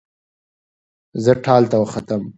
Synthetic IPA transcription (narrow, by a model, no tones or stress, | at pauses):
zəʈʰɑlt̪awəxat̪əm